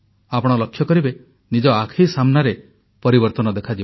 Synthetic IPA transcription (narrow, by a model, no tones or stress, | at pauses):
apɔɽ̃ɔlɔkʰːjɔkɔɾibe | nid͡ʒɔakʰisamnaɾe | pɔɾibɔɾt̪ɔnɔd̪ekʰad͡ʒi